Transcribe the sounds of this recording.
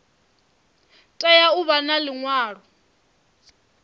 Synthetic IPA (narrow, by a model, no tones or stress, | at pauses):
tʼɛjauβanalɪŋwaːrɔ